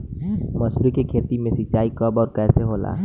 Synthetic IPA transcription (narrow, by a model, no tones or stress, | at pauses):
məsɾikekʰeːt̪imẽsit͡ʃaːikəbɔːɾkɛːseɦoːla̰